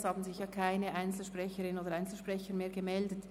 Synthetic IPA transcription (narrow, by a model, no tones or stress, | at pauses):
shaːbn̩zɪçjaːkʰaɪnəʔaɪnt͡sl̩ʃpʁɛçəʁɪnoːdəʁaɪnt͡sl̩ʃpʁ̥ɛçəmeːɐɡəmɛldət